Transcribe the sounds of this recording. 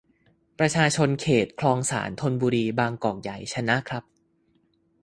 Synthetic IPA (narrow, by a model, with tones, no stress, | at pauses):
pɾa˧t͡ɕʰaː˧t͡ɕʰo˧nkʰeː˨˩t̪̚kʰlɔː˧ŋsa̰ː˩˦nt̪ʰo˧nbuː˧ɾiː˧baː˧ŋkɔː˨˩k̚ja˨˩jt͡ɕʰa˧na˦˥ʔkʰɾa˦˥p̚